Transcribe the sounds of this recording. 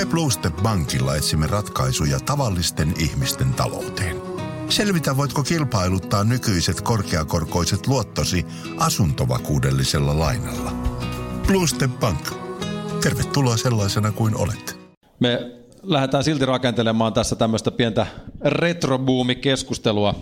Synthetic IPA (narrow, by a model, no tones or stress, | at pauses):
mebluːst̪epbɑŋkilːɑ̰et̪simːerɑt̪kɑisujɑt̪ɑʋɑlːist̪enihmist̪ent̪ɑ̰lo̰wt̪eːn | se̞lʋit̪æʋʋojt̪kokilpɑilut̪ːɑːnnykyiset̪korkeɑkorko̞iset̪luot̪ːosi | ʔɑsunt̪oʋɑ̰kuːdelːiselːɑlɑinɑlːɑplust̪epbɑŋkt̪e̞rʋet̪ːuloɑselːɑisenɑkuino̰let̪ | me | læhet̪æːnsilt̪irɑkent̪elemɑːnt̪æsːæt̪æmːøst̪æpient̪æret̪robuːmikeskust̪eluɑ